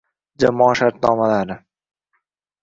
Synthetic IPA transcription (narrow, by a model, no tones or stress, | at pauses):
d͡ʒamɒːʃaɾt̪̚nɒːmalaɾɪ